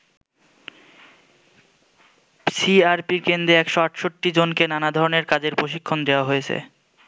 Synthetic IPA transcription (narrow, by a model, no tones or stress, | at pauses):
siaɾpiɾkend̪ɾeɛkʃoaʈʃoʈːid͡ʑonkenanad̪ʱɔɾoneɾkad͡ʑeɾpɾoʃikʰːond̪eoaɦojet͡ɕʰḛ